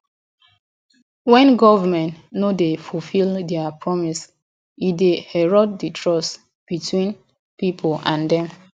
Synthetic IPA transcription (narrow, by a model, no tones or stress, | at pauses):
wɛ̃nɡɔvamɛ̃ntnodefulfildɛapʰɹɔmis | idehɛɹɔt̚ditʰɹɔs | b̥itʰwĩn | pipʰolãndɛ̃m